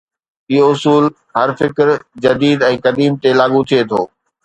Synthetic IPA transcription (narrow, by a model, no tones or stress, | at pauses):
ioʊsuːl | ɦɐɾfɪkɾd͡ʑɐd̪iːd̪ɛ̃ːkɐd̪iːmt̪elaːɠũt̪ʰiet̪ʰoː